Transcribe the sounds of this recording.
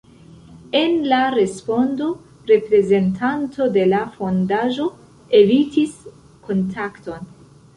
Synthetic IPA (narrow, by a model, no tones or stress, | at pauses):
e̞nlaɾe̞spo̞ndo̞ | ɾe̞pɾe̞ze̞ntʰanto̞de̞lafo̞ndaʒo̞ | e̞vitis | kʰo̞ntʰakto̞n